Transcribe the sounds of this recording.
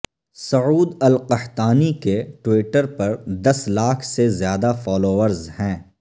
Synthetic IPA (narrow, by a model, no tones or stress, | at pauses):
sɐuːd̪ɐlqɐht̪aːnikeʈwiːʈəɾpɐɾd̪ɐslaːkʰsezjaːd̪afɔːloːʋəɾzhɛ̃ː